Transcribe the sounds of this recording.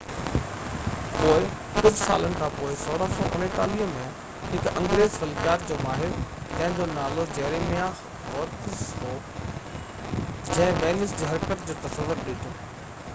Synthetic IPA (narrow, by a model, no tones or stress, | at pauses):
poːɪ | kʊd͡ʑʱɪsa̰ːlənɪ̆kʰãːpoːɪsoːɾəsoʔʊ̰neʈ̪aːliəmẽ | ɦɪkɐ̰̃ŋɡɾeːzxɐlkijaːt̪̚d͡ʑoːmaːɦɪɾt̪ɐ̃ɦɪ̃ɲd͡ʑoːnaːlod͡ʑɛːɾemija | ɦɔːt̪ɪsɦoː | d͡ʑɐ̃ɦɪ̃ʋɛːlɪsd͡ʑiːɦɐɾkət̪d͡ʑoːt̪ɐsəʋːʊɾɗɪʈʰoː